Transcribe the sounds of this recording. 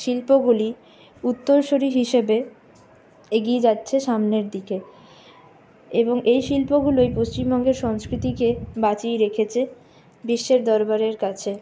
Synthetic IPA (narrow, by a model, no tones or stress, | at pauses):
ʃilpoɡuli | ut̪ːoɾʃoɾiɦiʃebe | eɡied͡ʑatːɕʰeʃamneɾd̪ike | eboŋejʃilpoɡulojpost͡ɕimbɔŋɡeɾʃɔŋskɾit̪ikebat͡ɕijɾekʰet͡ɕʰe | biʃːeɾd̪ɔɾbaɾeɾkat͡ɕʰe